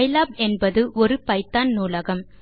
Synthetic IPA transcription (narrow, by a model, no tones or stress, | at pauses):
ɪlaːb̚ɛnbɐðɯʔɔɾɯpɐɪt̪ːaːnnuːlɐɣɐm